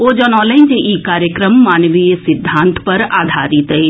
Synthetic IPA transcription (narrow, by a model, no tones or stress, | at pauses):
oːd͡ʒɔnɔːlẽnd͡ʒeʔikaːɾjəkɾəmːaːnʋiesɪd̪ʱːãːnt̪ʰpɐɾaːd̪ʱaːɾit̪əi